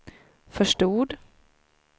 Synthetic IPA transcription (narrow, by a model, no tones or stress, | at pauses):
fœʂʈuːd̪